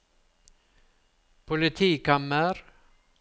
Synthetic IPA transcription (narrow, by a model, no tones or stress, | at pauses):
pʰʊlɪt̪ʰiːkaməɾ